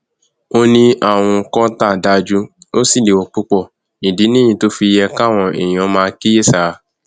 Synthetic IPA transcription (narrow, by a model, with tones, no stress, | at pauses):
o˦nĩ˦ʔa˦˨w̃ɔ̃˧kɔ̃˦ta˦˨da˧d͡ʒu˦o˦si˦˨le˨wɔ˧˨k͡pu˦k͡pɔ˦˨ | i˨di˨˦nĩ˦ĩ˧to˦fi˧jɛ˧ka˦˨w̃ɔ̃˧˨ḛ˨j̃ɔ̃˨˧˦mãː˧ki˦je˦˨sa˨